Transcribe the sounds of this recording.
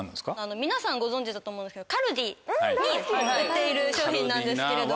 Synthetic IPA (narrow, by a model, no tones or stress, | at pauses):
nːa̰skaano̞mʲinasãŋɡo̞zõ̞ɲ̟d͡ʑid̪at̪omõneskedokaɾo̟d̪ʲiɲ̟iɯt̪ːe̞iɾɯ̟ɕo̞ːçĩnːãnd̪e̞sɨ̥eɾe̞d̪o